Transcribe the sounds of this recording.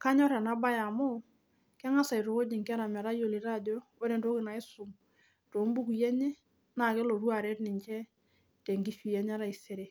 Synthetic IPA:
ka˦ɲɔ˦ɾɛ˨na˦ba˦ja˨mo˦ | kɛ˦ŋa˦sa˨i˨ɾo˨ko˦d͡ʒi˨ŋka˦ɾa˨mɛ˨ɾa˦jo˨li˨ɾa˦˨do˦o˦ɾe˨nto˦kɪ˨na˨ɪ˦sʊ˨m | to˨˦mbu˦ku˨jɛ˦ɲɛ˦ | na˨ke˦lo˨ɾu˦a˨ɾɛ˦tnɪ˨ɲt͡ʃɛ˦ | te˨ŋɡi˦fi˨jɛ˦ɲ˦a˦ɾa˨i˨se˨ɾe˨

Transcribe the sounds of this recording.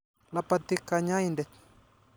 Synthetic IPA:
la˦pa˨t̪i˦ka˨ɲa˦indɛ˨

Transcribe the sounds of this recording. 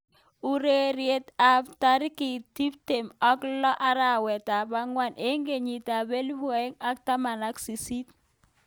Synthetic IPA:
u˦ɾe˦ɾje˦ta˦pta˦ɾɪ˦kɪ˨ti˦p̚te˨mɔ˦klɔ˦ʔa˦ɾa˦˨wɛ˨ta˨ba˦ŋwa˦nʔe˦ŋɡe˨ɲi˨ta˨be˦lbɔ˨e˦ŋa˦k̚ta˦ma˨na˦ksi˨si˦t̚

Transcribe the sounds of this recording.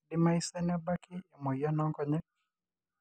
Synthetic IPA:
di˦ma˦i˦sɛ˦nɛ˦ba˦kiː˦˨mɔ˨ja˦na˦ŋkɔ˦ɲɛ˦k

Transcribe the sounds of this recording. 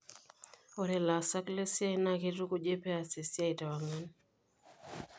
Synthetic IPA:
ɔ˨ɾɛ˨la˨sa˦kle˦sja˦i˦na˦˨ke˦ɾu˦ko˦d͡ʒe˦pɛ˦a˨se˨sja˦i˨ta˨wa˨ŋa˦n

